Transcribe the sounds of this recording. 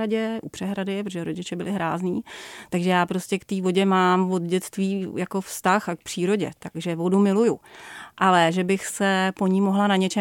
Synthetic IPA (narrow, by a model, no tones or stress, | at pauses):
aɟɛʔupr̥ɛɦɾadɪpɾot̪oʒɛɾoɟɪt͡ʃɛbɪlɪɦɾaːzniːt̪aɡʒɛjaːpɾo̞scɛkt̪iːvo̞ɟɛmaːmvo̞d̪ɟɛt͡st̪viːjako̞fst̪axak̚pr̥iːɾo̞ɟɛ̰t̪aɡ̥ʒɛvo̞dumɪlujʊʔalɛʒɛbɪxsɛpo̞ɲimo̞ɦlanaɲɛt͡ʃɛ